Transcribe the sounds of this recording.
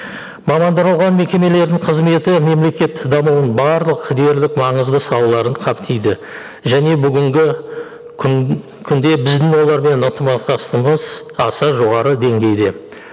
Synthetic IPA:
mɑmɑnd̪ɑɾɑwˠʁɑnme̞kʲe̞me̞le̞ɾd̪ɪɴqʰəzme̞t̪ɪme̞mle̞kʲe̞t̪d̪ɑmuwənbɑɾlˠəqd̪e̞ɾlɪkmɑɴəzd̪əsɑwlˠɑɾəɴqʰɑpt̪ʰejd̪ɪ | ʒæne̞bʏɡʲɪŋɡʲɪ | kʲʰʏnd̪e̞bɪzd̪ɪŋwo̞lˠɑɾme̞nənt̪əmɑɑst̪əməz | ɑsɑʒo̞ʁɑɾəd̪e̞ŋɡʲe̞jd̪e̞

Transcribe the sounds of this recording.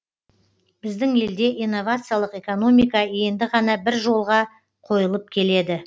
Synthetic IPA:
b̥ɪzd̪ɪŋe̞ld̪e̞ʔijnːo̞vat̪sɨjalˠəqe̞ko̞no̞mijkɑe̞nd̪ɪʁɑnɑbɪɾʒo̞lˠʁɑ | qʰo̞jəlˠəp̚kʲʰe̞le̞d̪ɪ

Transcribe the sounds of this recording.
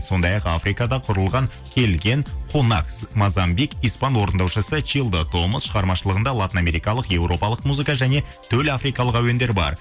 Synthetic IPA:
so̞nd̪ɑjɑqa̰fɾijkɑd̪ɑqʰʊɾəlˠʁɑŋ | kʲʰe̞lɡʲe̞ŋqʰonɑ̰ksmazambikijspɑnwo̞ɾənd̪ɑwʃəsət͡ʃʰilˠd̪ot̪ʰo̞məsʃəʁɑɾmɑʃəlˠəʁənd̪ɑlˠat̪ʲiname̞ɾijkɑlˠəqje̞wɾo̞pɑlˠəqmuzɨkɑʒæne̞ | t̪ʰɵlafɾijkɑlˠəqæwe̞nd̪e̞ɾbɑ̰ɾ

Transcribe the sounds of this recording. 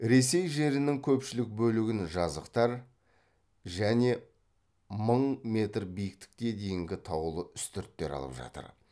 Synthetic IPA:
ɾe̞se̞jʒe̞ɾɪnɪŋkʲʰɵpʃɪlɪk̚bɵlɪɡʲɪnʒɑzəqt̪ɑɾ | ʒæne̞ | məɴme̞t̪rbijɪk̚t̪ɪ̥k̚ʲkʲe̞d̪e̞jɪŋɡʲɪt̪ʰɑwəlˠəʏst̪ʰʏɾt̪ːe̞ɾɑ̰lˠəpʒɑ̰t̪ə̰ɾ

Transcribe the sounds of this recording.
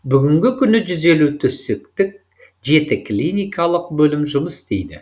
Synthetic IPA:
bʏɡʲɪŋɡʲɪkʲʰʏnɪʒʏze̞lut̪ʰʏsek̚t̪ɪk̚ | ʒe̞t̪ɪkʰlijnijkʰalˠəqbɵlɪmʒʊməsɪst̪ḛjd̪ɪ̰

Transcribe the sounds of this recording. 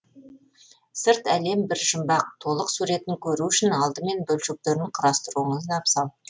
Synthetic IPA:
səɾt̪æle̞mbɪɾʒəmbɑqt̪ʰo̞lˠəqsuɾe̞t̪ɪŋkʲʰɵɾuʏʃɪnɑlˠd̪əme̞nbɵlʃek̚t̪eɾɪɴqʰəɾɑst̪əɾuəɴəzd̪ɑpsɑlˠ

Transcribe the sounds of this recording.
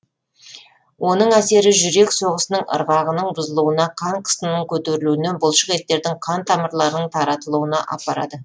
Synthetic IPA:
wʔo̞nəɴæse̞ɾɪʒʏɾe̞kso̞ʁəsənəɴə̰ɾʁɑʁənəɴbʊzəlˠuənɑqʰɑɴqʰə̥sənːəɴkʲʰɵt̪e̞ɾɪluɪne̞nbʊlˠʃəqe̞t̪ːe̞ɾd̪ɪɴqʰɑnt̪ʰɑməɾlˠɑɾnəɴt̪ʰɑɾɑt̪əlˠuwənɑ̰ʔɑ̰pɑɾɑ̰d̪ə

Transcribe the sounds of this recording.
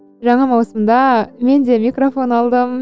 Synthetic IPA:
ʒɑɴɑmɑwsəmd̪ɑme̞nd̪e̞mʲikrofo̞nɑlˠd̪əm

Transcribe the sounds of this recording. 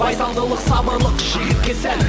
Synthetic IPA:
ɑjt̪ɑlˠd̪əlˠəqsɑbəɾlˠəqʒijɪɾkʲesæ

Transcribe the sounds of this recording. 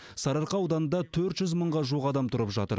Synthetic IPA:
sɑɾɑɾqɑɑwd̪ɑnənd̪ɑt̪ʰɵɾt̪ʒ̥ʏzməɴʁɑʒuʁɑd̪ɑmt̪ʰʊɾəpʒɑt̪ə̰ɾ

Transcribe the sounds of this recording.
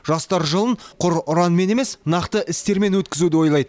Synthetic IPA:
ʒɑst̪ɑɾʒəlˠənqʰʊɾʊɾɑnme̞ne̞me̞snɑqt̪əʔɪst̪e̞ɾme̞nwɵt̪kʲɪzud̪ɪwo̞jlˠɑjd̪ə

